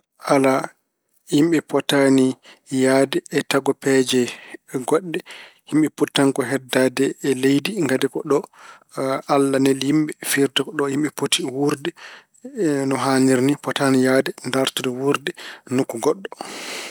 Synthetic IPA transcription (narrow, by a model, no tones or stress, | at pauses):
ʔala | himɓɛpɔtanijadɛːtaɡɔpɛd͡ʒɛɡɔɗːɛhimɓɛputːaŋkɔɦɛdːadɛːlejdiŋɡadɛkɔɗɔ | alːanɛlhimɓɛfiɾtɛkɔɗɔhimɓɛpotiwuɾdɛ | nɔɦaniɾnipɔtanijadɛndaɾtudɛwuɾdɛnukːuɡɔɗːɔ